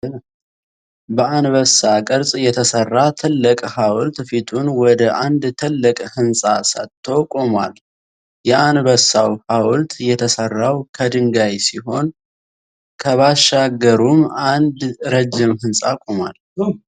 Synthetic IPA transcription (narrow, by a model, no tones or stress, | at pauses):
bəanβəsakʼɨɾsʼjɛt̪ʰəsərːat̪ʰɨlːɨkʼhawlt̪fit̪ʰʼunwɔd̪əʔand̪t̪ʰɨlːɨkʼhɨnsʼasə̰t̪ʰːokʼomwa̰l | jɛanbəsːawhawlt̪jɛt̪ʰəsərːawkʰəd̪ɨŋɡajsiɦo̞n | kʰəβaʃːaɡəɾumand̪ɾəd͡ʒːɪmhɨnsʼakʼoma̰l